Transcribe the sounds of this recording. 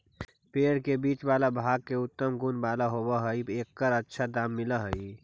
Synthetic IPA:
peːɽkebiːt͡ʃbaːlabʱaːɡ̚keʊt̪ːəmɡunbaːlaɦobəɦəieːkːəɾətːʃʰad̪aːmːɪləɦəi

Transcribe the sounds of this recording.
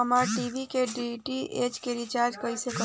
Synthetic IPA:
əmaɾʈibʱikeɖiʈiʔet͡ʃkeɾit͡ʃaːɾd͡ʒkəisekə

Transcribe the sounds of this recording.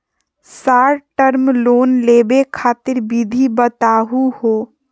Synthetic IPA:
saːɾʈəɾmloːnleːbekʰaːt̪ɪɾbid̪ʱibət̪aːɦuhoː

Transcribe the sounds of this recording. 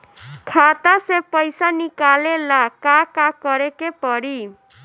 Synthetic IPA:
kʰat̪asepəɪsanikalelakakakəɾekepəɽi

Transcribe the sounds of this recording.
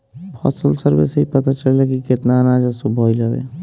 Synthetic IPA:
pʰɔ̰səlsəɾbḛsɦipət̪at͡ʃəlːekikɪt̪nanad͡ʒasobʱɔːiləbḛ

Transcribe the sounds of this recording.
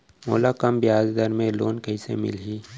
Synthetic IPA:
moːlakəmbɪjaːzd̪əɾmẽloːnkəisḛmɪ̰lɦiː

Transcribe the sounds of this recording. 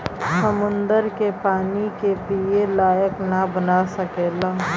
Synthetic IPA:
səmʊ̃nd̪əɾkepaːnikepielaːjəknabənasɐkeːlaː

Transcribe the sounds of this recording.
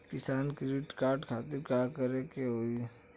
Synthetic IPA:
pɪsaːnkɾiʈkaːɾɖkʰaːt̪ɪɾkakəɾekeoi

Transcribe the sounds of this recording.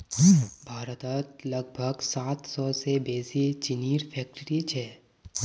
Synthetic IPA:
bʱaːɾət̪ət̪ləɡ̚bʱəɡsaːt̪sɔsebeːsit͡ʃɪniːɾpʰɛːk̚ʈɾit͡ʃʰɛː

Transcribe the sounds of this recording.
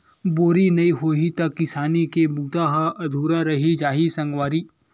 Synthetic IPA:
boːɾinɐiɦoːɦit̪ɐkːɪsaːnikebuːt̪aːɦaʔɐd̪ʱuːɾaɾɐɦid͡ʒaːɦisɐ̃ŋɡʋaːɾiː

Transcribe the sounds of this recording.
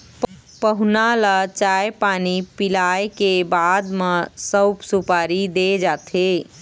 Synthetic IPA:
p | pəɦunalat͡ʃajpanipilajkebad̪mesəbsupaɾid̪ed͡ʒat̪ʰe

